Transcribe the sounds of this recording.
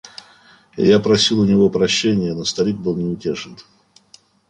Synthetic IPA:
japɾɐsʲilˠʊnʲɪvopɾɐɕːenʲɪjənost̪ɐɾʲik̚bɨlˠnʲɪʊtʲeʐɨn

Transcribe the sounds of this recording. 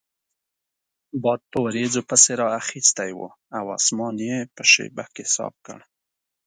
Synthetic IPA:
bɑd̪̚p̪əwaɾezopəseɾɑaxist̪ajwo̰ | awɑ̰smɑnjepəʃḛba̰hkehɪsɑ̰b̚kə̰ɽ

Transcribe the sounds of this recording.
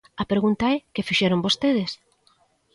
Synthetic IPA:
ɐpɾeɣunt̪aɛkɪfiʃɛɾombost̪eðɪs

